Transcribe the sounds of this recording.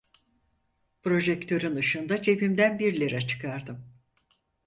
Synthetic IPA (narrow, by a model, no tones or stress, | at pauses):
pɾo̞ʒɛkt̪ʰø̞ɾynɯʃɯnd̪at͡ʃʰe̞pimd̪ænbiɾlʲeɾɛt͡ʃʰɯ̥kʰaɾd̪ɯm